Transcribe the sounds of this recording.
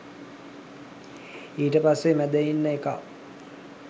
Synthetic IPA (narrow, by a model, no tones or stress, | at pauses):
iːʈəpasːemæd̪əinːəeka̰